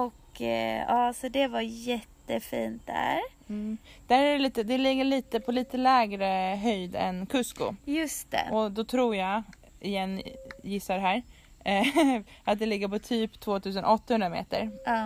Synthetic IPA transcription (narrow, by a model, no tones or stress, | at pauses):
ɔk | ɑːsɔd̪ɛvaɾjɛt̪ːəfiːnt̪̚d̪æ̰ɾ̩ | d̪̥æɾæɾɛliːt̪əd̪ɛlɪɡːəɭiːt̪əpʰɔliːt̪əlɛːɡɾəɦœjd̪ɛ̰nkʰɵskʊ̰jɵst̪ɛ̰ɔd̪ɔt̪ʰɾuːɾjɑ | ɪjɛnːjɪsːaɖ̪ɛɦæːɾ | ʔat̪̚d̪ɛlɪɡːəɾpʰɔt̪ʰyːpt̪ʰvoːt̪ʰʉ̟ːs̬ənʔɔt̪ːahɵnɾamḛːt̪ə̰ɾɑː